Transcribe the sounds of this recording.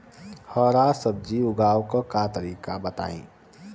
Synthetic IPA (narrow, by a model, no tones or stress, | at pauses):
hɔːɾasəb̚d͡ʒiʊɡaːwkokaːt̪əɾiːkabət̪a̰ːḭ̃ː